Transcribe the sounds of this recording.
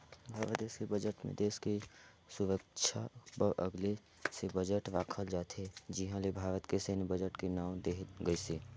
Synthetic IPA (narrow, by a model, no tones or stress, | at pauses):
bʱaːɾləd̪eːʃkebəd͡ʒəʈmḛ̃d̪eːske | sʊɾəkʃʰa̰pəɾʔəɡle | sebəd͡ʒəʈʋaːkʰəld͡ʒaːt̪ʰed͡ʒɪɦãlebʱaːɾət̪keseːnbəd͡ʒəʈkenaːʊd̪eːɡəiseː